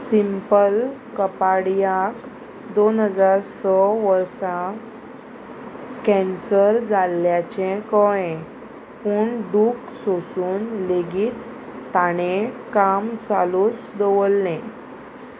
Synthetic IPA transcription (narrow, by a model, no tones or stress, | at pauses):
simpəlkəpaɽjak | d̪onɦəd͡zaɾsɔʋəɾsã | kɛ̃nsəɾd͡zalːjat͡ɕẽkɔjẽ | puːɳɖuːk | sosuːnleɡiːt̪ː | aɽ̃ekamt͡saluːt͡sd̪əʋəlnẽ